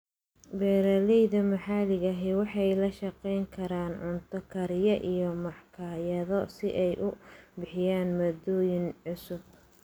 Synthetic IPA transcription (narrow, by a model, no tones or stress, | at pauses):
bɛːɾɐlɛjðɐmɐħalɪɣɐɦɪwɑħɑjlɐʃɐqɛjŋkʰɐɾaːnʕʊnt̪ʰɔkʰɐɾɪjɐʔijɔmɑħkʰaːjɐðɔsɪʔɛjʔʊbɪħɪjaːnmɐd̪ɔːjɪnʕʊsʊb̚